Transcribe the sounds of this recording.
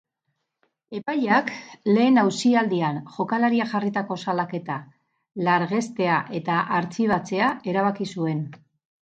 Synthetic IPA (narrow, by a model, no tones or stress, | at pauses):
e̞paʎakle̞ːnawsiald̪ianʝo̞kalaɾiaʝarit̪ako̞salake̞t̪a | laɾɣe̞st̪e̞aʔe̞t̪aʔaɾt͡siβat͡se̞aʔe̞ɾaβ̞akisue̞n